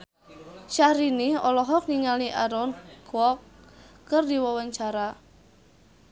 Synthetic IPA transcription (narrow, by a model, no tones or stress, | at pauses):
ʃahɾiniɔlɔɦɔk̚niŋaliʔaɾɔnkwɔkː | ərdiwɔwəɲt͡ʃaɾa